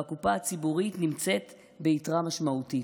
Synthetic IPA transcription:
akupaat͡sibuʁitnimt͡se̞t | be̞itʁamaʃmauti

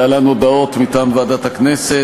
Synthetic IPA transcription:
alanuod̪ao̞t̪mit̪aːmvaːd̪at̪haknese

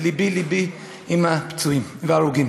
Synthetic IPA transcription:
libilibi | imapt͡suimvaɾuɡim

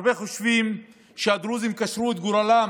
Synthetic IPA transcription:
beχoʃvim | ʃead̪ɾuzimkaʃɾuet̪ɡuɾala

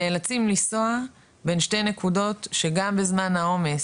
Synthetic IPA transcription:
elat͡simlisoa | be̞nʃte̞jnekudo̞tʃeɡambezmanhao̞me̞s

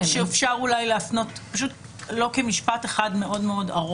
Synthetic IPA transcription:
ʃeefʃaʁulajleafno̞tpaʃ̬ut | lo̞kemiʃpateχadme̞ʔo̞dmeo̞daʁ

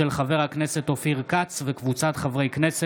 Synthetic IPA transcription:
elχave̞ʁhaknese̞t̪ofiʁkat͡svekvut͡sat̪χavʁejknese

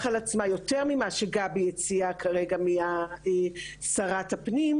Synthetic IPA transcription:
χalat͡smajo̞teʁmimaʃeɡabijet͡siakʰaʁeɡamiaesaʁatapnim

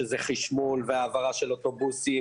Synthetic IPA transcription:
ezeχiʃmulveaːvaʁaʃelot̪o̞busi

